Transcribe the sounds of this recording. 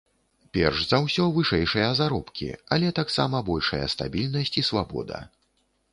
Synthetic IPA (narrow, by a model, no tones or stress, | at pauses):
pʲɛ̰rʂzawsʲɔvɨʂɛjʂɨjɐzaɾɔpkʲḭɐlʲɛt̪aksa̰mɐbɔlʲʂɐjɐ̰st̪a̰bʲilʲnɐsʲt͡sʲisvabɔ̰d̪ɐ̰